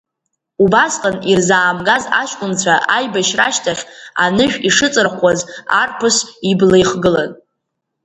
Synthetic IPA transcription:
ubasqʼanirzaːmɡaza̰ʃʷkʷʼʊnt͡ɕʷʰaʔajbaʃraʃtʰaχʲa̰nɨʃᶣiʂɨt͡sʼɨrχʷazarpʰɨsiblejχɡɨla̰n

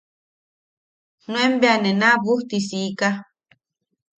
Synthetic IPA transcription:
nũẽmbeanẽnãβuht̪isiːka

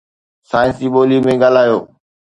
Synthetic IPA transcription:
saːɪ̃nsiːɓoːlimẽɡaːl̤aːjoː

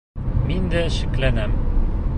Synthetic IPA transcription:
mind̪æʃɘ̆klænæm

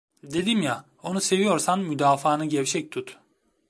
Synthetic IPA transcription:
d̪e̞d̪imja | o̞nuse̞vijo̞ɾsanmyd̪aːfaːnɯɟɛvt͡ʃʰɛc̚t̪ʰut̪

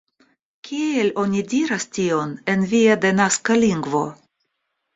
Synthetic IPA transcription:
kʰʲie̞lo̞nʲidiɾastio̞ne̞nviad̪e̞naskaliŋɡvo̞̰

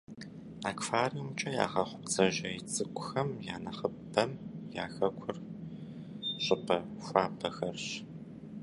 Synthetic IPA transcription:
aːkʷfaːrimt͡ʃʼɐja̰ːʁɐχʷʊpt͡sʼɐʑɐjɪt͡sʼɨkʷʼʊxɐmjaːnɐχə | ɐmja̰ːxɐkʷʰʊr | ɕʼɪpʰɐxʷaːpʰɐxɐrɕ

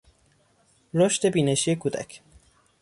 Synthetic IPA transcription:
ɾoʃt̪e̞biːneʃije̞kʰuːd̪æ̰cʰ

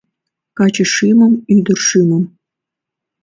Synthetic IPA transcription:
kɑt͡ɕə̆ʂimə̆myd̪ə̆rʂimə̆m

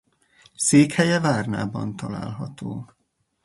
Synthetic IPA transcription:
seːkhɛjɛvaːrna̰ːbɒ̰nt̪ɒla̰ːlɦɒt̪oː

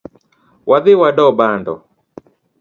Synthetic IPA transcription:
wʔaðɪwaɗɔbandɔ̰

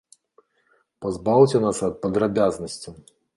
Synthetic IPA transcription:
pazbawt͡sʲɛnasɐt̪̚pɐd̪ɾabʲaznɐsʲt͡sʲi

